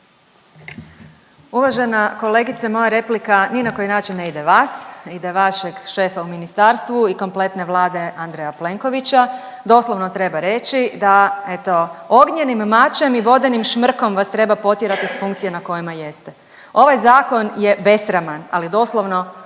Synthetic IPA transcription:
uʋaʒe̞nako̞leɡit̪samo̞jaɾe̞plikaninako̞jinaːt͡ʃinːeid̪eʋaːsid̪eʋaʃe̞ɡʃe̞ːfauminist̪aɾst̪ʋuiko̞mple̞t̪ne̞ʋlˠaːd̪e̞ʔand̪ɾejaple̞ŋko̞ʋit͡ɕa | d̪o̞ːslˠo̞ʋno̞t̪ɾe̞baɾe̞t͡ʃid̪ae̞t̪o̞o̞ɡɲe̞nimːat͡ʃe̞miʋo̞d̪enimʃmr̩ko̞mʋast̪ɾe̞bapo̞t̪jeɾat̪isfuŋkt̪sienako̞jimaje̞st̪e | o̞ʋajzaːko̞nje̞be̞sɾamana̰lid̪o̞ːslˠoʋno̞

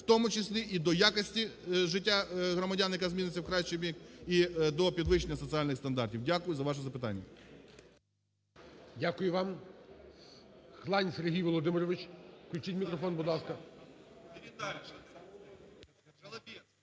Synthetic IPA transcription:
wt̪ɔmʊt͡ʃesʲlʲiʔid̪ɔjakɔsʲtʲiʒɪtʲːaɦɾɔmɐdʲanjɐkazʲmʲinɪt͡sʲːɐwkɾɑʃt͡ʃebʲikid̪ɔpʲid̪ʋɪʃenʲːɐsɔt̪sɨalʲnɪxst̪ɐnd̪ɑrtʲiwdʲakʊjʊzɐʋɑʃ̬ɛzɐpɪt̪ɑ̰nʲːɐ̰ | dʲakʊjʊʋɑm | xlˠɑnʲseɾɦijʋɔlˠɔd̪ɪmɪɾɔʋɪt͡ʃklʲut͡ʃitʲmʲikɾɔfɔnbʊd̪lɑskɐ | t̪ʲ

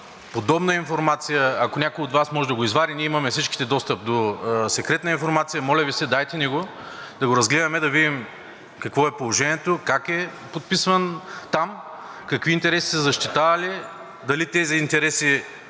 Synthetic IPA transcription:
pod̪ɔbnəinfoɾmat̪sijəɐkonʲakojod̪vasmɔʒɛd̪ɐɡoizvaɾiniɛimɐmɛfsit͡ʃki̥t̪ɛd̪ɔst̪əp̚d̪osɛkɾɛt̪nəinfoɾmat̪sijəmɔlʲɛvisɛd̪ajt̪ɛnɛɡo | d̪ɐɡoɾɐzɡlɛd̪ɐmɛd̪ɐvid̪im | kɐkvɔɛpolˠoʒɛnʲiɛt̪okakɛpot̪̚pisvɐnt̪am | kɐkvint̪ɛɾɛsi̥sɛzɐʃt̪it̪avɐli | d̪ɐlit̪ɛziːnt̪ɛɾɛsi

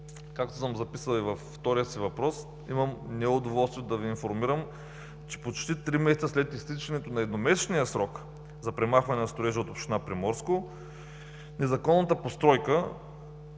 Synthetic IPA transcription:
kak̚t̪o̥səmzɐpisəlˠivɐfːt̪ɔɾijəsivɐpɾɔs | imɐmnɛʊd̪ovɔlˠst̪viod̪ɐviːnfoɾmiɾəm | t͡ʃɛ̥pot͡ʃt̪it̪ɾimɛsɛt̪səslɛt̪ist̪it͡ʃɐnɛt̪onɐɛd̪nomɛsɛnijəsɾɔk | zɐpɾɛmaxvɐnɛnɐst̪oɾɛʒɛot̪opʃt̪inapɾimɔɾsko | nɛzɐkɔnːət̪əpost̪ɾɔjkə

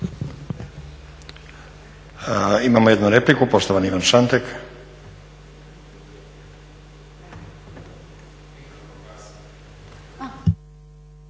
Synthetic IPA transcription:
imamojed̪nuɾeplikupo̞st̪oʋaniʋanʃant̪ek

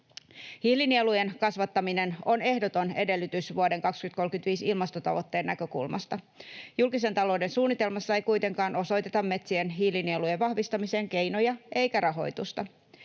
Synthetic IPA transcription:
hihlinielujenkɑsʋɑt̪ːɑmine̞no̞ne̞hdo̞t̪o̞ne̞de̞lːyt̪ysʋuode̞ŋkɑkskyt̪̚ko̞lkynt̪ʋiːsilmɑst̪o̞t̪ɑ̰ʋo̞t̪ːe̞ːnːækø̞kṵlmʔɑ̰st̪ɑ | julkise̞nt̪ɑlo̞ːde̞nsuːnːit̪e̞lmɑsːɑejkujt̪e̞ŋkɑːno̞so̞jt̪e̞t̪ɑmːe̞t̪sienɦihlinieluje̞ʋʋɑhʋist̪ɑmise̞ːŋke̞jno̞jɑʔe̞jkæɾɑɦo̞̰jt̪ust̪ɑ

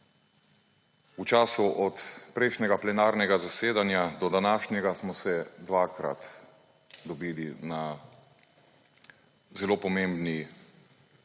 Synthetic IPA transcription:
ut͡ʃaːsuʔɔt̪pɾɛʃnʲɛɡaplɛnaːɾnɛɡazaseːd̪anjad̪ɔd̪anaːʃnjɛɡasmɔsɛd̪ʋaːkɾa̰t̪ | d̪ɔbiːlina | zɛloːpɔmembni

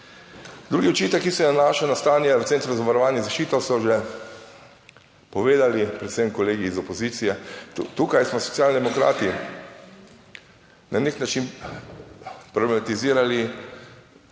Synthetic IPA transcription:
d̪ɾuːɡiɔt͡ʃit̪ɛkːisɔjɛnanaːʃawnast̪aːnjɛɔent̪ɾɛzaʋaɾɔʋaːnjɛzaʃt͡ʃiːt̪ɔsɔʒɛ | pɔʋeːd̪alipɾɛt̪semkɔleːɡiːzɔpɔziːt̪sijɛt̪ukajsmɔsɔ̥t̪ʲjaːlnid̪ɛmɔkɾa̰ːt̪i | nʔaneknat͡ʃin | pɾoblɛmat̪iziːɾali

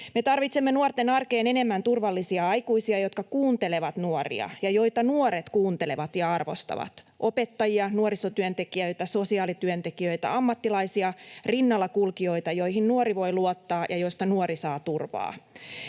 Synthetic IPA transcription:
met̪ɑrʋit̪semːenuort̪enɑrkeːne̞ne̞mːænt̪urʋɑlːisiɑɑikuisiɑjo̞t̪̚kɑkuːnt̪eleʋɑt̪nuorḭɑ̰jɑjo̞it̪ɑnuoɾet̪kuːnt̪ele̞ʋɑt̪jɑɑrʋo̰st̪ɑ̰ʋɑ̰t̪ | ʔopet̪ːɑjiɑnuoɾisot̪yønt̪ekiøit̪æso̞siɑːlit̪yønt̪ekiøit̪æ̰ɑmːɑt̪ːilɑisiɑrinːɑlːɑkulkio̞it̪ɑjoiɦinnuoɾiʋo̞iluot̪ːɑːjɑjoist̪ɑnuoɾisɑːt̪urʋɑ̰ː

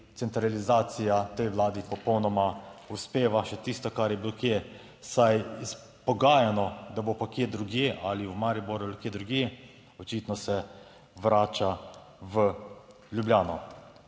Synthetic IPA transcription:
t̪sɛnt̪ɾalizaːt̪sijat̪ɛjʋlaːd̪ipɔpɔwnɔmauspeːʋaʃɛt̪iːst̪ɔkaɾjɛbilokjeː | sajis | pɔɡaːjanɔd̪abopakjeːd̪ɾuɡjeʔaliwmaɾiboɾualukjeːd̪ɾuɡjeː | ɔt͡ʃiːt̪nɔsɛ | ʋɾaːt͡ʃa | ʋə | lʲjubljaːnɔ

